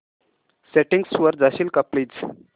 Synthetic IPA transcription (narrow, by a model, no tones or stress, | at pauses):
seʈiŋɡsʋəɾd͡zaɕiːlkəpliːt͡s